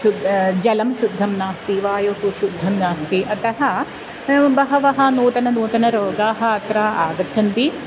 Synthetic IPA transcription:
ud̪d͡ʒɐlɐmʃud̪ʱːɐmnaːst̪iʋaːjoːt̪uʃud̪ʱːɐmnaːst̪iʔɐt̪ɐɦɐ | bɐɦɐʋɐɦɐ̆noːt̪ɐnɐnoːt̪ɐnɐɾoːɡaːɦɐ̆ɐt̪ɾaːʔaːɡɐt̪ːt͡ʃʰɐnt̪i

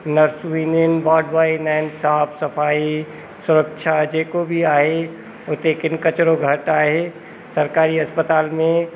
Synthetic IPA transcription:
nɐɾsʋiːnjənʋaːɖʋaːinaːɪnsaːfsɐfaːi | sʊɾəkʃʰad͡ʒeːkobʱiaːɦe | ʊt̪ekɪnkɐt͡ʃɾoɡʱɐʈaːɦe | sɐɾkaːɾiɦɐspət̪aːlmẽ

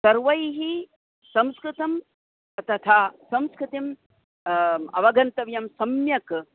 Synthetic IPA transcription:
sɐɾʋɐjɦi | sɐ̃mskɾɪt̪ɐm | ɐt̪ɐt̪ʰaːsɐ̃mskɾɪt̪im | ɐ̰ʋɐɡɐnt̪ɐʋjɐmsɐmjɐk

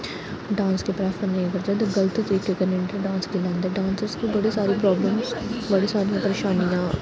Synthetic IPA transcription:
ɖãːnskepɾaːfbɐnnẽɐɡəɾd̪ɐd̪ɡɐlt̪t̪ɐɾiːkekənẽɳʈəɖãːnsd̪ɪlãːnd̪eɖãːnsəɾskibɐɽisaːɾipɾɔːbləmbɐɽisaːɾiãpəɾeːʃaːnijãː

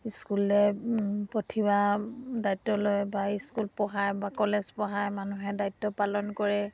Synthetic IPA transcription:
iskulɛpɔtʰibadajtːɔlojbaiskulpɔɦajbakɔlezpɔɦajmanuɦɛdajtːɔpalɔnkɔɹɛ

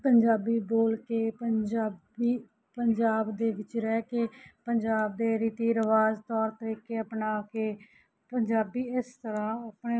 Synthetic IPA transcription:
pəɲd͡ʒaːbiːboːlkeːpəaː | iː | pəɲd͡ʒaːbd̪eːʋɪt͡ʃɾɛːkeːpəɲd͡ʒaːb̚d̪eːɾiːt̪iːɾəʋaːzt̪ɔːɾt̪əɾiːkeːəpnaːkeː | pəɲd͡ʒaːbiːɪst̪əɾãːəpneː

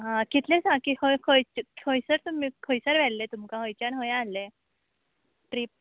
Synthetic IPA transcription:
ɦãkit̪lẽsãkihojkʰojt͡ɕkhojsəɾt̪umiːkʰojsəɾʋɛllet̪umkaɦojt͡ɕanɦojalːe | ʈɾiːp̚

